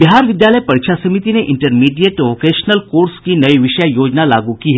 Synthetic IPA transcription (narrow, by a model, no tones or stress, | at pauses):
biɦaɾʋid̪jaləjpəɽɕʰasəmit̪ineʔiɳʈəɾmiɖijeʈokeɕnəlkoɾskiːnəiʋiɕjajod͡ʑnalaɡukiɦe